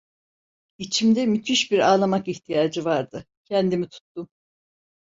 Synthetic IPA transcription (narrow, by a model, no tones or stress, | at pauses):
it͡ʃʰimd̪ɛmyt̪ʰiʃbiɾaːlˠamakiçt̪ʰijaːd͡ʒɯvaɾd̪ɯ | cʰɛnd̪imit̪ʰu̥t̪ːum